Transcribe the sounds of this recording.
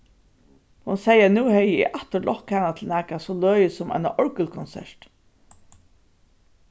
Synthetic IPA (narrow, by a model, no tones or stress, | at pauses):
hʊnsɛjənuːhɛjɪḭʔaht̪əɾlʔɔhkhanat̪ʰɪlnæːkasɔløːjəsʊmʔa̰ɪna̰ʔɔɹkʏlkʰɔnsɛ̰ɹt̪